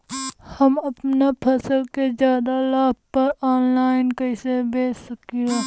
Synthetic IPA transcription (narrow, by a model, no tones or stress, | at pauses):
hɐmɐpnapʰɐsəlkezjaːd̪alaːbpəɾaːnlaːɪnkəɪsebeːsəkioː